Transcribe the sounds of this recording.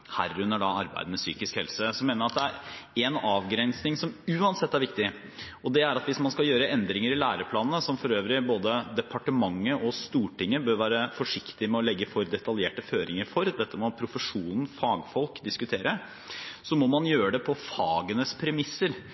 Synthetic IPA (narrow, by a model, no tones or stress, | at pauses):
hæ̰ːɾʉnːəɖɑɑɾbæ̰ɪd̪əmɛsy̰ːkɪskhɛlsəsɔmeːnəɾɑt̪̚d̪ɛæɾɛnɑːʋɡɾɛnsnɪŋsɔmʉːɑnsɛt̪ːæɾʋɪkt̪ɪ | ɔd̪ɛæɾɑt̪ʋɪsmɑnskɑljøːɾəʔɛnd̪ɾɪŋəɾɪlæːɾəpʰlɑːnnəsɔmfɔɾøːʋɾɪboːd̪əd̪ɛpʰɑʈəmɑŋːəʔɔst̪uːʈɪŋːəbøːɾʋæːɾəfɔʂɪkt̪ɪmɛɔlɛɡːəfɔɾd̪ɛt̪ɑljeːʈəføːɾɪŋəɾfɔɾd̪ɛt̪ʰːəmɔpʰɾʊfəʂuːnn̩fɑːɡfɔlkd̪ɪskʉt̪ʰeːɾə | sɔmɔmɑnjøːɾəɖ̪ɛpʰɔfɑːɡənəspʰɾɛmɪsːəɾ